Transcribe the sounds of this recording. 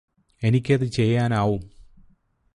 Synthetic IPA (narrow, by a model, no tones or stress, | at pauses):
e̞nikʲːɐðɨt͡ɕe̞jːaːnaːʋum